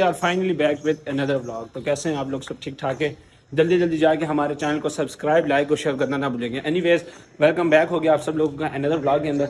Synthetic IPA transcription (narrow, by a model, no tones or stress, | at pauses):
aːɾfaːɪnəlibɛːkʋɪd̪ɛnɐd̪əɾblɔːɡ̚t̪oːkɛːseɦɛ̃aːploːɡsɐb̚ʈʰiːk̚ʈʰaːkẽː | d͡ʒɐld̪id͡ʒɐld̪id͡ʒaːekeɦɐmaːɾet͡ʃɛːnəlkosɐbskɾaːɪblaːɪkɦoʃeːɾkɐɾnanabʊlẽːɡẽʔɛniʋeːz | ʋɛlkə̃mbɛːkɦoːɡɪjaaːpsɐbloːɡõkaʔɛnɐd̪əɾblɔːɡ̚keə̃nd̪əɾ